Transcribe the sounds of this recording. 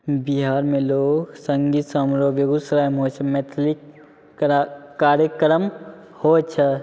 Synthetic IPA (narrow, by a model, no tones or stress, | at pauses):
biɦaːɾmẽloːɡsɐ̃ŋɡiːt̪sɐmɾoːbjɐɡusɾaːjmɦoːt͡ʃʰɐmɛt̪ʰlɪk | aːɾjəkɾəm | hoːt͡ʃʰɐ